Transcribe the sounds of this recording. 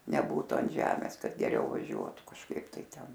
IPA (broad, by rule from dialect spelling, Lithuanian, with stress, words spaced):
nʲɛˈbuːtʊ ɐn ˈʒʲæːmʲeːs ˈkɐt ɡʲɛˈrʲɛʊ ʋɐˈʒʲuɔtʊ kɐʃˈkɐɪp tɐɪ ˈtʲɛn